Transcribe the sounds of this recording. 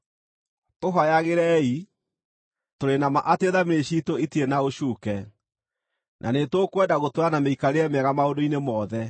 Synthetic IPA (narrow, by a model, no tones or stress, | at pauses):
toɦajaɣeɾɛi | toɾenamaʔateðamiɾeɕitoitienaoʃuːkɛ | nʔa̰netwokwɛdaɣotoɾanameikaɾeɛmɛɣamaondoinemɔðɛ